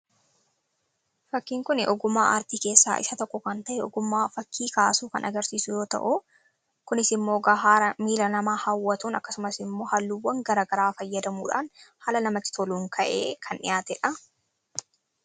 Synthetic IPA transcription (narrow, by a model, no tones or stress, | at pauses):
fɐkːiːŋkʊnɪ̰ʔɔɡʊmːaːʔɐ̰ɾt̪iːke̞ːsːa̰ːʔɪ̰sɐt̪ɔkːɔkɐnt̪ɐʔɛɔɡʊmːaːfɐkːiːkaːsuːkɐnʔɐɡɐɾsiːsʊjo̞ːt̪ɐ̰ʔu | kʊnɪsɪmːo̞ːɡaːɦaːɾɐmiːlɐnɐmaːhɐwːɐt̪uːnɐkːɐsʊmɐsɪmːo̞ːhɐlːuːwːɐŋɡɐɾaːɡɐɾaːfɐjːɐd̪ɐmṵːᶑa̰ːnhaːlɐnɐmɐt̪ːɪ̥t̪ʰɔluːŋkʰɐʔḛːkʰɐnɪ̰jaːt̪ɛᶑɐ